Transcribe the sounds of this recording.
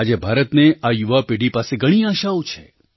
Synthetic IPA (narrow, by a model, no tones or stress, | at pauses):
ad͡ʒebʱaɾət̪neajuʋapeɖipaseɡəɽ̃iaʃaut͡ʃʰe